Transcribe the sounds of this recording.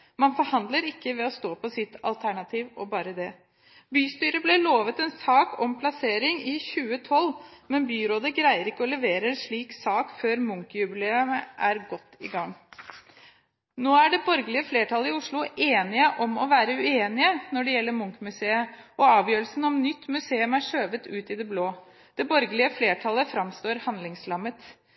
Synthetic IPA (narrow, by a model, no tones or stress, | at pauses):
mɑnfɔɾhɑnd̪ləɾɪkːəʋɛɔst̪oːpʰɔsɪt̪ːɑ̰lt̪ʰæɳɑt̪ʰiːʋɔbɑːɾəd̪ɛ | byːst̪yːɾəblɛloːʋət̪ɛnsɑːkʰɔmpʰlɑseːɾɪŋɪçʉːət̪ʰɔlːmɛnbyːɾoːd̪əɡɾæɪəɾɪkːəɔlɛʋeːɾəɾʂɭiːksɑːkføːɾmʊŋkəjʉbɪleːʉməʔæɾɡɔt̪ːɪɡɑŋ | noːæɖɛbɔɾɡəlɪəfleːʈʰɑlːəɪʊʂɭʊeːnɪəʔɔmɔʋæːɾəʉeːnɪənɔɖɛjɛlːəɾmʊŋkəmʉseːəɔɑːʋjøːɾlsn̩ɔmnʏt̪ːmʉseːʉmæʂøːʋət̪ʉːt̪ɪd̪ɛbloː | d̪̥ɛbɔɾɡəlɪəfleːʈʰɑlːəfɾɑmst̪oːɾhɑnd̪lɪŋslɑmːət̪